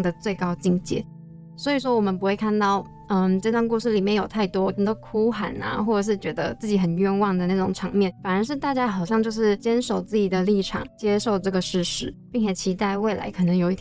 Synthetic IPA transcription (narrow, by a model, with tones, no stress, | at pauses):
ŋd̪ə˩t͡swe˥˩ɪkɑ˥ʊt͡ɕi˥˧ŋt͡ɕjɛ̰˥˩˦ | swɔ˧˥i˨˩ʂ̬wɔ˥wɔ˨˩mə˧˦npu˧˥xwe˥˧ɪkʰa˥˧nt̪ɑ˥˩ʊ | ə˧˩ʈ͡ʂɤ˥˧t̪wa˥˧nku˥˧ʂɻ̩˥˩li˨˩mjɛ˥˩njo˨˩ʊt̪ʰa˥˩ɪt̪wɔ˥˨˩d̪ɔ˥kʰu˥xa̰˨˩na̰˧xwɔ˥˩ʈ͡ʂə˨˩ʂ̬ɻ̩˥˩t͡ɕɥɛ˧˥d̪ə̰˧t͡sɹ̩˥˩t͡ɕi˧˥xə˨˩nɥɛ˥˧nwɑ˥˩ŋd̪ə˩na˥˩ʈ͡ʂʊ˨˩ŋʈ͡ʂʰɑ˧˥ŋmjɛ˥˩nfa˨˩nə˧˥ʂ̬ɻ̩˥˧t̪a˥˧t͡ɕja˥xɑ˨˩ʊɕjɑ˥˧ŋt͡ɕjo˥˧ʊʂɻ̩˥˩t͡ɕjɛ˥nʂo˨˩ʊt͡sɹ̩˥˩t͡ɕi˨˩d̪ə˩˦li˥˩ʈ͡ʂʰɑ̰˨˩˦ŋt͡ɕjɛ˥ʂo˥˧ʊʈ͡ʂɤ˥˩ɡə˩ʂɻ̩˥˩ʂɻ̩˧˥pi˥˩nt͡ɕʰɛ˨˩t͡ɕʰi˧˥t̪a˥˧ɪwe˥˩ɪlʔa̰˧˥ɪkʰɤ˨˩nɤ˧˥ŋjo˨˩ʊi˥˩